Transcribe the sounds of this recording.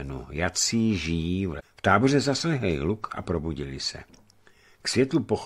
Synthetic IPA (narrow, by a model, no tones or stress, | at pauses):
nṵjat͡siːʒijiːvft̪aːbo̞rɛzaslɛɦlɪlukʔa̰pɾo̞buɟɪlɪsɛ̰ | ksvjɛt̪lupox